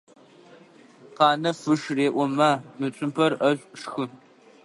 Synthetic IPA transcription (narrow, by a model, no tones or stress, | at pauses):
qɑːnɐfɨʂreːʔʷɔmaːmɨt͡ʃʷʼʊmpʰɐrɐɕʷʼʂxɨ